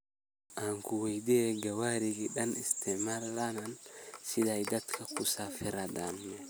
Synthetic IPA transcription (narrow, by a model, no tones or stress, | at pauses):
ʔaŋkuwajdɛɡawaɾiɡiɗanist̪ʰɛmalːanansidajdat̪kʰakusafɛɾadanmɛ